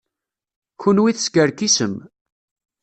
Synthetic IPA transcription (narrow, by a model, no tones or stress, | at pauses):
kunwiθskəɾkisəm